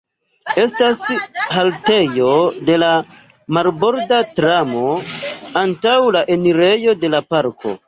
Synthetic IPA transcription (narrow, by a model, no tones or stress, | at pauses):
e̞stashalte̞jo̞de̞la | malbo̞ɾdatɾamo̞antawlaʔe̞niɾe̞jo̞de̞lapaɾkʰo̞̰